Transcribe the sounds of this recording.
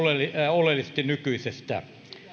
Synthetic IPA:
leliolelːˑisest̪innykyisest̪æ̰

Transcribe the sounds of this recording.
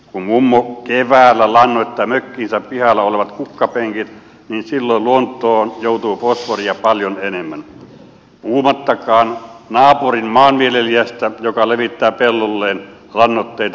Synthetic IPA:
kummumːokeʋæːlːælɑnːoˑet̪ːɑːmøkːiːnsæppihɑlːɑoleʋɑt̪kukːɑpeŋkit̪ | ninsilːoˑluont̪ːˑoːnjoˑut̪uːposʋoriɑpɑljonenemːæn | puːmɑt̪ːɑkɑːnnɑːpurinmɑːnmieleliæst̪æjokɑleʋit̪ːæːpelːolːeːn | lɑnːot̪ːeˑit̪ɑ

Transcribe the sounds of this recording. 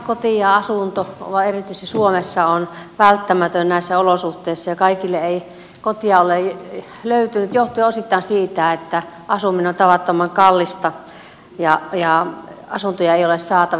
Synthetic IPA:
kot̪ijɑɑsunt̪oʋɑerit̪yist̪isuomesːɑonʋælt̪ːæmæt̪ønnæˑisːæolosuht̪ˑeˑisːɑjɑkɑikilːeei | kot̪iɑole | løyt̪ynyt̪joht̪iosit̪ːɑːˑnsiːt̪æet̪ːæ | ʔɑsuminont̪ɑʋɑt̪ːomɑŋkɑlːist̪ɑ | jɑjɑɑsunt̪ojɑeiolessɑːt̪ɑ

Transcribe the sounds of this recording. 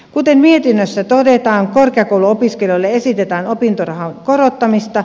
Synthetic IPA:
kut̪emmiet̪inːøsːæt̪odet̪ɑːŋkorkeɑkouluopiskeljolːeesit̪et̪æːnopint̪orɑhɑŋkoɾot̪ːɑmist̪ɑ

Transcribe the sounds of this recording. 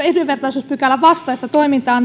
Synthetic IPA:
eduʋe̞rt̪ɑisuːspykælːæʋʋɑst̪ɑist̪ɑt̪o̞imint̪ɑːn

